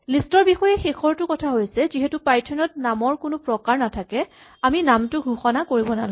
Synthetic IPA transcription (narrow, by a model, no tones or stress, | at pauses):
listɔɹbixɔjɛxexʰɔɹtʊkɔtʰaɦojsɛziɦɛtʊpajtʰɔnɔt̚namɔɹkʊnʊpɹɔkaɹnatʰakɛ | aminamtʊɡʱuxɔnakoɹibɔna̰la